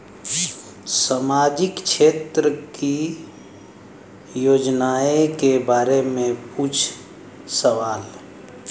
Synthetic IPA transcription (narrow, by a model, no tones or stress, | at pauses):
samaːd͡ʒɪkt͡ʃʰeːt̪ɾəki | joːd͡ʒnaːekebaːɾemẽpuːt͡ʃʰ | səʋaːl